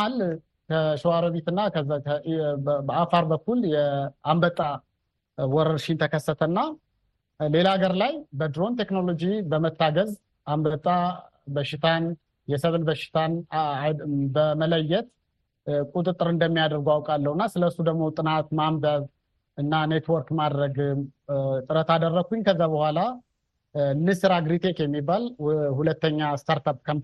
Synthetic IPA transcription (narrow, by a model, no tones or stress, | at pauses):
al | kʰəʃɪwaɾəβet̪ɨnːakʰəakʰəbəafaɾbəkːuljɛambət̪ʼa | wɔɾəɾʃint̪ʰəkʰəsːət̪ʰəɨnːa | le̞laɡəɾlajbəd̪ɾo̞nt̪ʰe̞kno̞lo̞d͡ʒibəmət̪ʰːaɡəz | ʔambət̪ʼa | bəʃːɪt̪ʰan | jɛsəβlbəʃɪ̥t̪ʰan | bəmələjːɛt̪ | kʼut̪ʼɨt̪ʼːɨɾɨnd̪əmːijad̪əɾɡoawkʼalːəhunːasɨləɨsːud̪əɡmo̞t̪ʼɨnat̪mamb̪əβ | ɨnːane̞t̪wɔɾkmad̪ɾəɡɨmt̪ʼɨɾət̪ad̪ərːəkʰːuɲkʰəzːabəhʷala | nɨsɨɾaɡɾit̪ʰekjɛmːibːalhulət̪ːəɲːast̪ʰaɾt̪ap̚kʰəm